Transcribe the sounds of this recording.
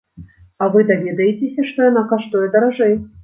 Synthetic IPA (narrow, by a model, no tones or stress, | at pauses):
avɨd̪ɐvʲed̪əjɪtʲɪsʲɐʂt̪ojanakaʂt̪ojɛd̪ɐɾaʐɛj